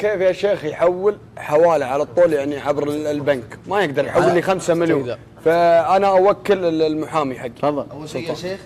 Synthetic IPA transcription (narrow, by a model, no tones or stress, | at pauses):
keːfjaʃeːxjħawːɪl | ħawaːlaʕalat̪ˤːuːljaʕniʕabɾɪlbankmajɪɡd̪ɑɾˤjħawːɪlːixamsamɪljuːn | faʔanaʔawakːɪlɪlmʊħaːmiħaɡːiɑðˤːɑls